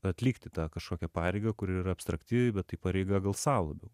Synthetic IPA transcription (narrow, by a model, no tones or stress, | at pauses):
ɐt̪ʲlʲiːkt̪ʲɪt̪ɑːkɐʃkoːkʲɛpɑːɾʲɛɪɡɐkʊɾʲɪiːɾɐɐpst̪ɾɐkt̪ʲiʋʲɛɪbʲɛt̪tːɐɪpɑɾʲɛɪɡɐɡɐlˠsɑːlˠɐbʲɛʊ